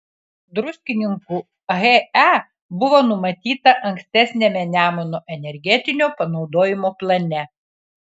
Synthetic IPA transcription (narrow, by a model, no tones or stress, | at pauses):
d̪ɾʊsʲkʲɪnʲɪŋku | ɣɛæ | bʊʋoːnʊmɐt̪ʲiːt̪ɐʔɐŋʲksʲt̪ʲæsʲnʲemʲɛnʲæːmɔnoːʔɛnʲɛɾʲɡʲɛt̪ʲɪnʲoːpɐnɒʊd̪oːjɪmoːplˠɐnʲɛ